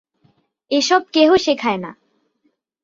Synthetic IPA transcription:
eʃɔb̚keɦoʃekʰaena̰

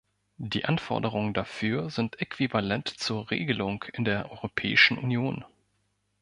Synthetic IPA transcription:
d̥iːʔanfɔ̰ɐdəʁ̞ʊŋəndafyːɐzɪntʔɛkv̥ivalɛntt͡suːɐʁḛːɡəlʊŋkʰɪndeːɐʔɔʏʁopʰɛ̰ːɪʃn̩ʔunjoːn

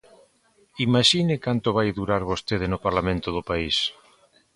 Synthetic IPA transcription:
imaʃinekant̪oβajðuɾaɾβost̪eð̞enopaɾlamẽnt̪oð̞opais

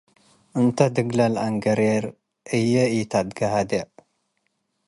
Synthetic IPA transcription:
ʔɨnt̪ʰɐd̪ɨɡlɐla̰ŋɡɐɾeɾ | ʔɨjːɐit̪ʰad̪ɡɐɦad̪eʕ

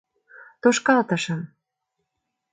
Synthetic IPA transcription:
t̪oʃkɑlt̪ɤ̆ʃɤ̆m

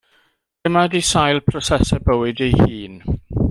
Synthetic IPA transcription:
d̥əmadisajlˠpʰrɔsɛsɛbəwɪdejhiːn

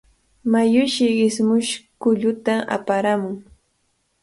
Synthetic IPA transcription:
majʊʃɪɢɪsmʊʃkʊʎʊt̪aa̰paɾamʊŋ

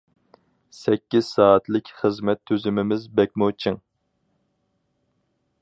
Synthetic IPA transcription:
sɛkʲːiz̥sɑːt̪lɪkʲχəzmɛt̪ʰːøzymɪmɪzbɛk̚ʲmot͡ʃʰiŋ

